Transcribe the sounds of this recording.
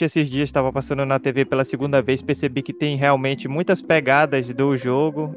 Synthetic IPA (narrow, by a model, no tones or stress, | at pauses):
esɪzd͡ʒiɐst̪avɐpasɐ̃nd̪ʊnɐt̪evepelɐsɪɡũnd̪ɐvejspeɾsebikɪt̪ẽj̃ɦeawmẽnt͡ʃɪmũj̃t̪ɐspeɡad̪ɐzd̪ʊʒoɡʊ